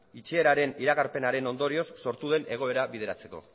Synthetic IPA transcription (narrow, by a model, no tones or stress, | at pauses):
it͡ʃeːɾaɾe̞niɾaɣaɾpe̞naɾe̞no̞nd̪o̞ɾio̞sːo̞ɾt̪uðe̞nʔe̞ɣ̞o̞e̞ɾaβið̞e̞ɾat͡se̞ko̞̰